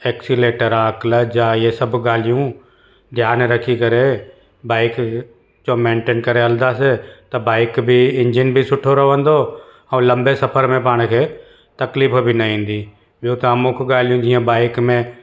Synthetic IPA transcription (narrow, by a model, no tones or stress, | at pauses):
eːksileːʈəɾaːkləd͡ʒaːjesəbɡaːlijũ | d̪ʱjaːnɾəkʰikɐɾe | baːɪk | d͡ʒomẽːɳʈeːnkəɾeɐld̪aset̪ɐbaːɪkbʱiɪ̃nd͡ʒɪnbʱisʊʈʰoɾɐʋə̃nd̪o | ɐ̃lɐ̃mbesɐpʰəɾmẽp̬aːɽ̃kʰeː | t̪ɐkliːpbʱinɐɦĩːnd̪iː | bjut̪əmʊ̃kɡaːlijũd͡ʒiːãbaːɪkmẽ